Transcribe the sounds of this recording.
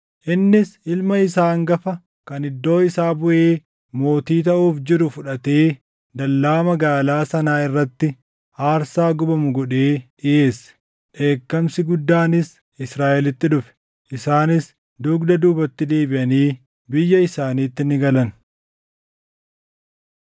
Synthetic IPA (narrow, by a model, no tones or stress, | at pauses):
ʔɪnːɪsɪlmɐɪsaːŋɡɐfɐ | kɐnɪd̪ːo̞ːɪsaːbʊʔeː | mo̞ːt̪iːt̪ɐʔuːfd͡ʒɪɾʊfʊᶑɐt̪e̞ː | d̪ɐlːaːmɐɡaːlaːsɐnaːɪrːɐt̪ːɪ | aːɾsaːɡʊbɐmʊɡɔᶑeːʔɪʔe̞ːs | ᶑe̞ːkːɐmsɪɡʊd̪ːaːnɪs | ɪsɾaːʔɛlɪt̪ːɪᶑʊfɛ̥ | ʔɪsaːnɪs | d̪ʊɡd̪ɐd̪uːbɐt̪ːɪd̪eːbɪʔɐniː | bɪjːɐɪsaːniːt̪ːɪnɪɡɐlɐn